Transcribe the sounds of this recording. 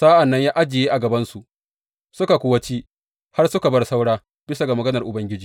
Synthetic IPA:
saː˦ʔa˨nːɐ˦ɲjaː˦ʔa˦d͡ʒɪ˨jeː˦ʔa˨ɡɐ˨bɐ˦nsu˨ʔ | sʊ˦ka˨kʷʊ˦wɐ˦t͡ʃiː˦ | ha˦rsʊ˦ka˨bɐ˦rsa˦wɽaː˦ | b̥ɪ˦sa˨ɡa˨mɐ˨ɡɐ˦nɐ˨rʔʊ˨bɐ˦ŋɡʲɪ˦d͡ʒiː˨

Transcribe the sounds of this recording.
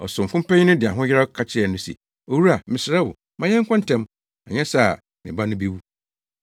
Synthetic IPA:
ɔ̰˨sʊ̃˨m̩˨kʊ̃˦m˦pʰɛ̃˦ɲ̃˦nʊ̃˦dɪ˨a˨ɦʊ̃˦jɪ˦ɾa˦kʰa˦t͡ɕʰɪ˦ɛ˨nʊ̃˦sḭ˨ | o˨wu˦a˨mɪ̃˨sɪ˨ɾɛ˦wʊ̰˨ | mã˨ɲɛ̃˦ŋ˦kʰʷã˦n˨tʰɛ̃˦m | a̰˨ɲɛ̃˦sa˨ | mɪ̰̃˨ba˦nʊ̃˦bi˦wu˦

